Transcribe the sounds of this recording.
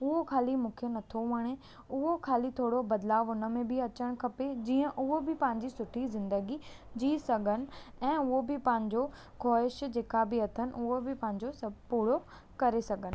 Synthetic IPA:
ʊɦokʰaːlimʊ̃kʰijonɐt̪ʰoʋɐɽ̃e | ʊɦokʰaːlit̪ʰoːɽobɐd̪laːʋɦʊnə̆mẽbʱɪɐt͡ɕəɽ̃kʰɐped͡ʑiːə̃ʔʊɦobɪpɐ̃ɦɪ̃ɲd͡ʑisʊʈʰizɪ̃nd̪əɡi | d͡ʑiːsɐɡʱənɪ̆ɛ̃ːʊɦobɪpɐ̃ɦɪ̃ɲd͡ʑo | kʰɔːɪʃd͡ʑeːkabɪɐt̪ʰənɪ̆ʔʊɦobɪpɐ̃ɦɪ̃ɲd͡ʑosɐbpuːɽo | kɐɾesɐɡʱənɪ̆

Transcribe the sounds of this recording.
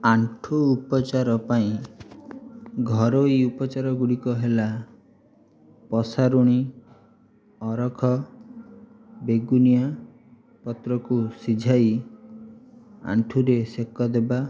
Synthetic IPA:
aɳʈʰuːpɔt͡ʃaɾɔpaĩ | ɡʱɔɾojupɔt͡ʃaɾɔɡuɽikɔɦela | pɔsaɾuɽ̃i | ɔɾɔkʰɔ | beɡunija | pɔt̪ɾɔkusid͡ʒʱaj | a̰ɳʈʰuɾesekɔd̪eba

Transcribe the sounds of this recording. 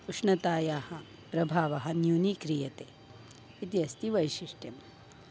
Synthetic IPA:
uʂɳɐt̪aːjaːhɐ | pɾɐbʱaːʋɐɦɐnjuːnikɾijɐt̪eː | it̪iɐst̪iʋɐjʃiʂʈjɐm

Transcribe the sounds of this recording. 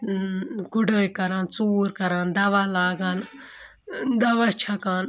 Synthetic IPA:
ɡuɖəjkɐɾaːnt͡suːɾkɐɾaːnd̪ɐʋaːlaːɡaːn | d̪ɐʋat͡ʃʰakaːn

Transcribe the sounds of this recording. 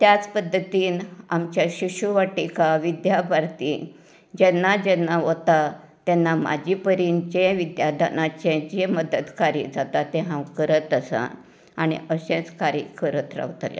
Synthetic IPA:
t̪jat͡spəd̪ːət̪iːnamt͡ɕjaɕiɕuʋaʈikaʋid̪jabʱaɾt̪iː | d͡ʑɛnːad͡ʑɛnːaɦot̪a | t̪ɛnːama̰d͡ʑipəɾiːnd͡ʑeʋid̪jad̪ʱanat͡ɕẽd͡ʑeməd̪ət̪kaɾḭːd͡zat̪at̪ɛ̃ɦãwkəɾət̪əsa̰ | aɽ̃ḭəɕɛ̃t͡skaɾḭkəɾət̪ɾa̰ʋt̪la̰

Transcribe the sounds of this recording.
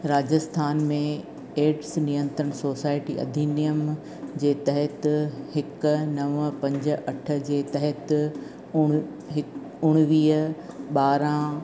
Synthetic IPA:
ɾaːd͡ʑəst̪ʰaːnmẽ | eːʈsnijə̃nt̪ɾəɽ̃soːsaːɪʈiʔɐ̰d̪ʱiːnijəm | d͡ʑeːt̪ɐɦɛt̪hɪknɐʋpɐ̃ɲd͡ʑə̆ʔɐʈʰə̆d͡ʑeːt̪ɐɦɛt̪ | ʊ | ɦɪ | ʊɽ̃ʋiːɦ | ɓaːɾã

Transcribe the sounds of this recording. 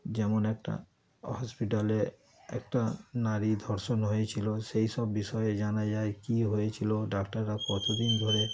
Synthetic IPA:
d͡ʑɛmonɛk̚ʈa̰ | ɦɔspiʈale | ɛ̰kʈanaɾid̪ʱɔɾʃonɦojet͡ɕʰilosejʃɔbːiʃɔjed͡ʑanad͡ʑaekiɦojet͡ɕʰiloɖakʈaɾːakɔt̪ʰod̪ind̪ʱoɾe

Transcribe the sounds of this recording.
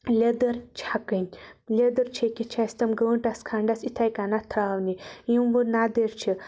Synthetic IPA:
lʲɐd̪ɐɾt͡ʃʰakɨnlʲɐd̪ɐɾt͡ʃʰekʲit͡ʃʰast̪ɐmɡəəɳʈaskʰaːɳɖasit̪ʰajkanat̪ʰɾaːwnijimʋənad̪eɾt͡ʃʰi

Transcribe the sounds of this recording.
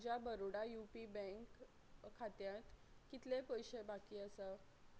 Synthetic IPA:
d͡ʑjabəɾoɽajupibə̃ŋkʰː | at̪jãt̪kit̪lepəjɕebakiːəsə

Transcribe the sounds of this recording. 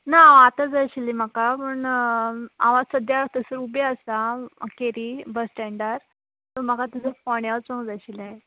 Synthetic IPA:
naːt̪ad͡zajɕilim̤akapəɳ | aʋasəd̪jat̪əsəɾubeəsakeɾibəsʈɛɳɖaɾ | t̪ɔm̤əkat̪əsəpɔɳjaʋt͡sõŋd͡zaɕilae

